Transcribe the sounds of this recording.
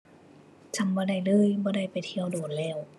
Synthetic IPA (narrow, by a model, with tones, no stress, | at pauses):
t͡ɕʰa˧˩mbɔː˧˩da˧˩jlɤː˧˥˩jbɔː˧˩da˧˩jpa˨˩jt̪ʰi˧˥əwdoː˨˩n̚lɛː˧˩w